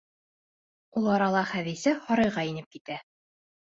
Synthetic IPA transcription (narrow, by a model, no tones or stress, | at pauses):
ulˠɑɾɑlˠɑχæðisɘhɒɾɤ̆jʁɑinɘp̚kit̪æ